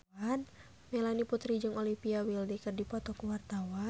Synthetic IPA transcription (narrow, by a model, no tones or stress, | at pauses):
an | mɛlaniput̪ɾid͡ʒɨŋɔlimpiawildikɨrdipɔt̪ɔkuwart̪awa